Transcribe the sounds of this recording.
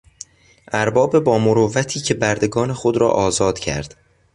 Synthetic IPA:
ʔæɾbɒːbe̞bɒːmoɾovːæt̪ʰiːcʰe̞bæɾd̪e̞ɡɒːne̞xod̪ɾɒ̰ːʔɒːzɒːd̪̥cʰæ̰ɾd̪̥

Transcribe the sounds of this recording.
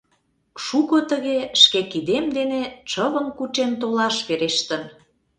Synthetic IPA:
ʃukot̪əɣeʃkekid̪emd̪enet͡ʃəβə̆mkut͡ɕent̪olɑʃβeɾeʃt̪ə̆n

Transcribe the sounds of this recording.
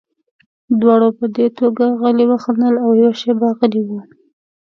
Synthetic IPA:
d̪wɑɽopəd̪et̪oɡaɣəliwaxanəlawjawaʃebaɣəliwu

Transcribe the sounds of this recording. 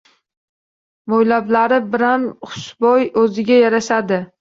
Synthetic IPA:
mojlablaɾɪbɪɾamχʊ̥sʃbɒjɵzɪɡʲajaɾaʃad̪ɪ

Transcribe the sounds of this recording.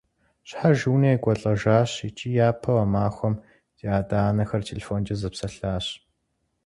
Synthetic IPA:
ɕħaʒuːneːɡʷʼɔɬʼɐʒaːɕit͡ʃʼiːjaːpʰɐwɐmaːxʷɔm | d̥ʰiaːdaːnɐxɐrtʰelʲefoːnd͡ʒʼɐzɐpsɐɬaːɕ

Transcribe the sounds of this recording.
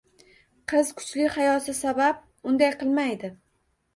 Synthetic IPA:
qʰɨzkʰʊ̥t͡ʃlɪhajɒt̪ʰɪsabap̚ | ʊnd̪ajqʰɨlˠmajd̪ɪ

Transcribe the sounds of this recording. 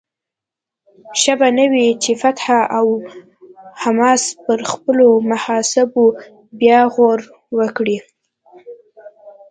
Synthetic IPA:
ʃabanəwit͡ʃefat̪haʔaw | hamɑspəɾxpəlomahɑsɪbo | bjɑɣoɾ | wəkɽi

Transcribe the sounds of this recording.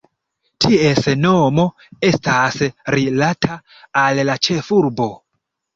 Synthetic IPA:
tʰie̞sno̞mo̞ | e̞stasɾilatʰaː | lːat͡ʃe̞fuɾbo̞

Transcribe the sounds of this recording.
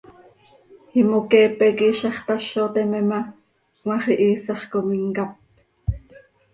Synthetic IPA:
himokɛːpɛkiːʃɑχt̪ɑʃot̪ɛmɛmɑ | wɑχiʔiːsɑχkomiŋkɑp̚

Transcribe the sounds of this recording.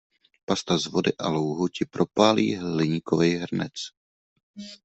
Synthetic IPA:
past̪azvo̞dɪʔalowɦocɪpɾʔo̞paːlḭːɦlɪɲɪkovɛjɦr̩nɛ̰t͡s

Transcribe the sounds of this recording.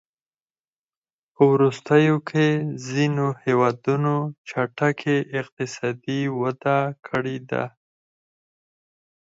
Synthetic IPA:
pəwɾust̪əjokʰezinohewɑd̪unot͡ʃaʈakʰeʔɪq̚t̪ɪsɑd̪iwad̪akʰəɽed̪a̰

